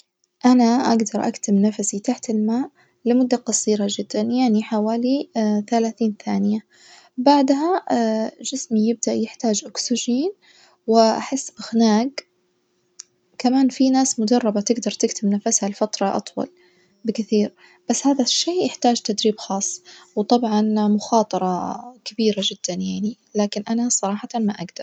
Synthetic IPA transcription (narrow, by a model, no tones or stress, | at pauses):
ʔanaʔa̰ɡd̪ɑɾˤʔa̰kt̪ɪmnafasit̪aħt̪ɪlmaːʔ | lɪmʊd̪ːaqɑsˤiːɾɑd͡ʒɪd̪̥ːanjaʕniħawaːliθalaːθiːnθaːnɪja | baʕd̪ɦa | d͡ʒɪsmijɪb̚d̪aʔjɪħt̪aːd͡ʒʔʊksɪʒiːn | wɪʔaħɪsːʔaxnaːɡ | kamaːnfinaːsmʊd̪ɑrˤːɑbat̪ɪɡd̪ɑɾˤt̪ɪkt̪ɪbnafashalfɑt̪ɾˤɑʔɑ̰t̪ˤwɑ̰l | bɪkɪθiːɾ | b̥asːhaːðaʃːeːjɪħt̪aːd͡ʒt̪ad̪ɾiːbxɑːsˤːwt̪ˤɑbʕɑnmʊxɑːt̪ˤɑɾˤɑkabiːɾad͡ʒɪd̪̥ːanjaʕni | laːkɪnʔanasˤɑɾˤɑːħɑt̪anmaʔaɡd̪̥ɑɾˤ